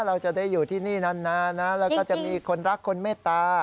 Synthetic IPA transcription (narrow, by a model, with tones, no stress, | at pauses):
ɾa˧wt͡ɕa˨˩daː˥˩jːuː˨˩t̪ʰiː˥˩niː˥˩na˦˥˩nːa˦˥na˦˥lɛː˦˥wkɔː˥˩t͡ɕa˨˩ʔmiː˧kʰo˧nɾa˦˥kʰːo˧nmeː˥˩t̪ːaː˧